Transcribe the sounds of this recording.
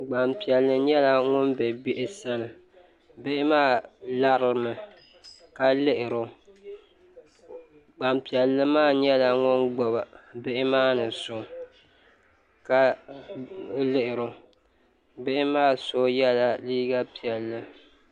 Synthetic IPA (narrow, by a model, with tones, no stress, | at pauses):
ɡ͡ba˨mpi˨ɛ˨lːɨ˦ɲɛ˦la˨ŋʊ˦nbɛ˨bɪ˦ʔɪ˦sa˦nɨ˨ | be˦ʔɪ˦maː˦˨la˦ɾɨ˦mɨ˨ | ka˦lɪ˦ʔɪ˨ɾʊ˦ | ɡ͡ba˨mpi˨ɛ˨lːɨ˦maː˦˨ɲɛ˦la˨ŋʊ˦nɡ͡bɔ˨ba˨be˦ʔɪ˦maː˦nɨ˨so˨ | ka˦ | lɪ˦ʔɪ˨ɾʊ˨ | be˦ʔɪ˦maː˦so˦jɛ˦la˨liː˦ɡa˦pi˨ɛ˨lːɨ˦